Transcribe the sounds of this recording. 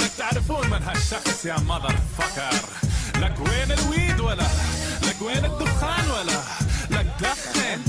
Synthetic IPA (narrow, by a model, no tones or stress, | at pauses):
ɪt̪aʕɾɪfuːnmɪnɦaʃːɑxsˤjamɑd̪ˤɑɾˤfɑkɑɾˤlaɡweːnɪlwiːd̪walːalaɡweːnɪd̪ːʊxaːnwalːa | lak̚d̪axle